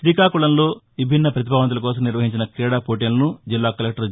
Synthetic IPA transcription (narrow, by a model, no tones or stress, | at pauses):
t̪ɾiːkaːkuɭɐnlo̞ːʋibʱinːɐpɾɐt̪̬ibʱaːʋɐnt̪ulɐkɔːsɐmniɾʋɐɦiɲt͡ʃinɐkɾɛːɽaːpoːʈ̬inlɐnud͡ʒilːaːkɐlek̚ʈɐɾ